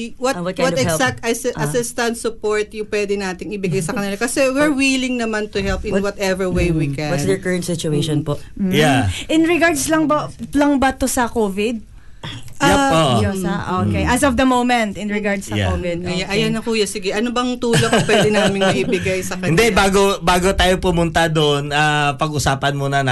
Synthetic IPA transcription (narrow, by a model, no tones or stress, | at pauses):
wɐtwɔɐt̪kɛwɔɛɛlsak̚t̪ɐsɪɐɪst̪ɐnt̪sʊpoɹt̪jʊŋpwɛːd̪ɪnaːt̪ɪŋɪbɪɡajsɐkɐnɪlakɐsɛwɪɹwilɪŋnɐmant̪ʊhɛlp̚ɪnwnwɐt̪ɛvɛwejwikɛ̃wɐnsd̪ɛɹkəɹɐnt̪sɪt͡ʃʊejʃɔnpoʔm̩jaʔɪnɹɪɡaɹd̪slɐŋbɐlɐŋbɐt̪osɐkoːvɪd̪̚ | ʔaoʔjosɐʔoːkejʔɐsɔfd̪ɐmowmɛ̃nt̪ʔɪnɹɛɡaɹd̪sɐja̰ovɪd̪̚jaʔɐjanɐkuːjasɪɡɛʔɐnobɐŋt̪uːlokɐwɛdɪnaːmɪ̃ŋmɐʔibɪɡajsɐkɐɪnd̪ɛʔbaːɡobaːɡo̞t̪aːjopʊmʊnt̪ad̪oʔnʔaːpɐɡʔʊsaːpɐnmonɐnɐ